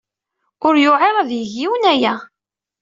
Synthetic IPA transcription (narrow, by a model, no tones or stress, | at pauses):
ʊɾjʊʕeɾˤɑðjəʝiwənæjæ